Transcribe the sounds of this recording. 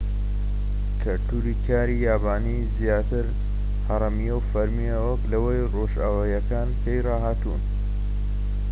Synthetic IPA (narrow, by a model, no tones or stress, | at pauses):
kʰɐɾt̪uːɾikʰaːɾijaːbaːniːzjaːt̪ɨɾ | hɐɾˤɐmijewfɐɾmijɐwɐklɐwejroʒaːwajɐkaːnpʰejrɑːɦaːt̪ṵːn